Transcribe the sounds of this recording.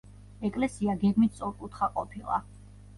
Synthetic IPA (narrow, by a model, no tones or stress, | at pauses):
ɛkʼlɛsiaɡɛɡmit̪̚ʰsʼɔɾkʼut̪ʰχaqʼɔpʰilˠa̰